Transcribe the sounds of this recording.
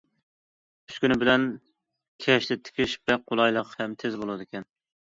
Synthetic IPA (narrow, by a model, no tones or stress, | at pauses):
y̥skʲynɪbɪlɛn | kʲʰɛʃt̪ɛt̪ʰɪ̥kʲʰɪʃbɛqʰolˠɑjlˠəqhɛmt̪ʰɪzbolˠɨd̪ɨkʲɛn